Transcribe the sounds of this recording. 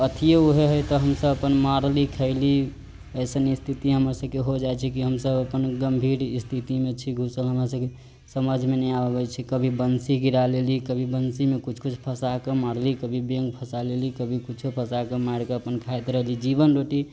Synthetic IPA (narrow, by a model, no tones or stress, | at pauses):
ət̪ʰijeuɦeɦəjt̪ɔɦəmsəbəpənmaɾlikʰəɪli | əjsənist̪ʰit̪iɦəməɾsəb̚keɦod͡ʒat͡ʃʰikiɦəmsəbəpənɡəmbʱiɾist̪ʰit̪imet͡ʃʰiɡʱusəlɦəmɾasəbke | səməd͡ʒʱmenəjabɛt͡ʃʰikəbʱibənsiɡiɾalelikəbʱibənsimekut͡ʃʰkut͡ʃʰpʰəsakemaɽlikəbʱibeŋɡpʰəsalelikəbʱikut͡ʃʰupʰəsakemaɽkeəpənkʰaet̪ɾəɦlid͡ʒibənɾoʈi